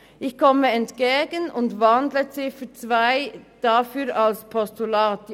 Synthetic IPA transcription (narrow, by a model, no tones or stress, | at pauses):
ʔɪçkɔməɛntkeːɡənʊndvɑndlət͡sɪfət͡svaɪd̥ɑfyːɾɑlspʰɔstulɑːt